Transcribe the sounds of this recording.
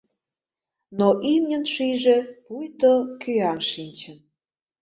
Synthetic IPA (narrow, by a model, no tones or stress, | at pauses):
noʔimnʲə̆nʃijʒepujt̪okyɑmʃinʲt͡ɕən